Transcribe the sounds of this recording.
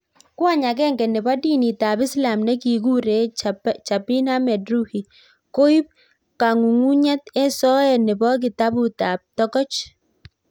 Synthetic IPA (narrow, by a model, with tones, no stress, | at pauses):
kwa˦˨ɲa˨kɛ˦ŋɡɛ˨nɪ˨ba˦di˦ni˨t̪a˨bɪ˦sla˨mnɛ˦ki˨ɡu˦ɾe˨˦t͡ʃa˨pi˦na˦mɛ˨dɾu˦hi˨ | ko˦i˦p̚ | ka˨ŋu˨ŋu˦ɲɛ˦t̪ɛ˦sɔ˦ɛ˨nɪ˨bɔ˦ɡ̬ɪ˨t̪a˦bu˨t̪a˨p̚t̪ɔ˦kɔ˦t͡ʃ